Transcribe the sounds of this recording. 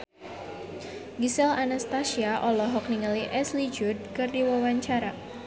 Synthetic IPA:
ɡisɛlanast̪asiaʔɔlɔɦɔk̚niŋaliʔɛslid͡ʒʊd̪̚kɨrdiwawaɲt͡ʃaɾa

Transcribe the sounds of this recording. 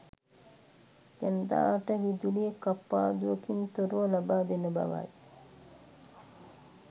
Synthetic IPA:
ɡɛnd̪a̰ːaʈəʋid͡ʒ̪ulijekapːaːd̪uəkint̪oɾuolabaːd̪enəba̰ʋa̰j

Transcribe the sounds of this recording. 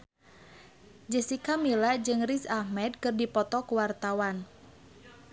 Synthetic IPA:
d͡ʒəsikamilad͡ʒɨŋrisahmɛd̚kɨrdipɔt̪ɔkuwart̪awan

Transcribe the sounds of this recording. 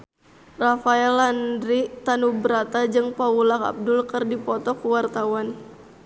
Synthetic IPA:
rafaɛlandɾit̪anubəɾat̪ad͡ʒɨŋpaulaka̰b̚dʊlkɨrdipɔt̪ɔkuwart̪awan

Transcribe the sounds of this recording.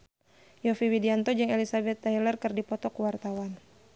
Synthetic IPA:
jɔfiwidiant̪ɔd͡ʒɨŋelisabɛt̪ːailərkərdipɔt̪ɔkuwart̪awan

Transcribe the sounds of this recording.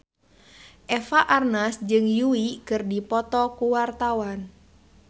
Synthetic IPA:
ʔɛfaʔarnasd͡ʒɨŋjuikɨrdipɔt̪ɔkuwart̪awan

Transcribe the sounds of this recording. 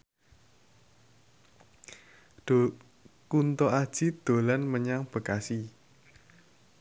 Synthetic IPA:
kunt̪ɔad̥ʒ̥id̪̥o̤lanməɲaŋb̥ə̤kasi

